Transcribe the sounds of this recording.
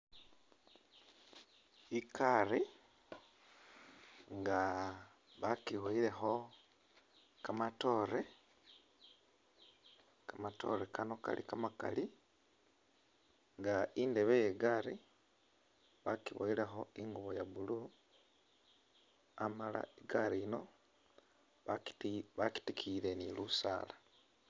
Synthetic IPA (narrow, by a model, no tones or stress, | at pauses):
ikʰaɾi | ŋɡa | βakiβoile̞xo̞ | kamato̞ɾe | kamato̞̰ɾekano̞ka̰lḭkamaka̰li | ŋɡaindeβejeɡaɾi | βakiβo̰ilexo̞iŋɡuβojaβulu | amala̰iɡaɾiːno̞ | βaki̥tikʰiɾenilusa̰ːla